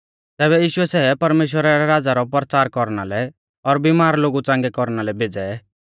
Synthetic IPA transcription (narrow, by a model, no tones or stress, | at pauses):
t̪ɛːbɛjiːʃʊɛsɛːpɐɾmeːʃ̬wəɾaɾɛɾaːd͡zaɾɔp̬ɾt͡saːɾkɔɾnalɛ | ɔɾbimaːɾloːɡut͡sãːŋɡɛkɔɾnalɛbʱed͡zɛ